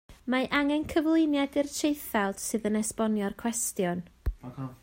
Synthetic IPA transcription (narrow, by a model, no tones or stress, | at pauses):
maʔaŋɛnkʰəvlˠɪnjadɨrtʰejθalˠd̥sɨðənɛspɔnjɔrkʰw̥ɛstjɔn